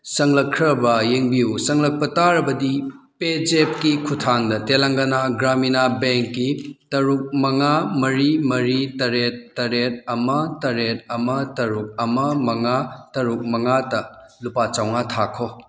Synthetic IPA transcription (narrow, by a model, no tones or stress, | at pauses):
sɐŋlɐkʰɾɐbɐjeŋbiusɐŋlɐk̚pɐtaɾɐbɐdiped͡ʒep̚kikʰutʰaŋdɐtelaŋɡɐnaɡɾaminabeŋkːitɐɾuk̚mɐŋamɐɾimɐɾitɐɾet̚ːɐɾet̚ɐmɐtɐɾet̚ɐmɐtɐɾuk̚ɐmɐmɐŋatɐɾuk̚mɐŋatɐlupat͡ʃawŋatʰakʰo